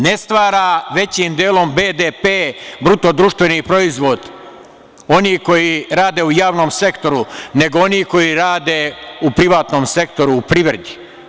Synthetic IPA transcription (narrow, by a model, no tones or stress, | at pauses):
ne̞st̪ʋaːɾaʋe̞t͡ɕimd̪jeːlo̞mbeːd̪epebɾut̪od̪ɾuʃt̪ʋe̞nipɾo̞izʋo̞d̪ | oniːko̞jiɾaːd̪e̞ujaːʋnomse̞kt̪o̞ɾune̞ɡooniko̞jiɾaːd̪eupɾiʋaːt̪no̞ːmse̞kt̪o̞ɾuːpɾiʋɾed̪i̥